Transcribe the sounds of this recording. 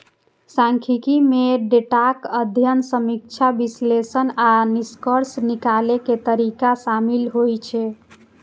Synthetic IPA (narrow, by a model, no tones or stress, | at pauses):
sãŋkʰikimeɖeʈakəd̪ʱjənsəmik̚t͡ʃʰabislesənaniskəɾsnikaleket̪əɾikasamilɦojt͡ʃʰɛ